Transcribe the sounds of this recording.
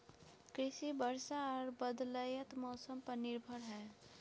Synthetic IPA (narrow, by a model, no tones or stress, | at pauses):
kɾɪʃibəɾʃaɔːɾbəd̪ləjət̪mɔːsəmpəɾnɪɾbʱəɾɦɛː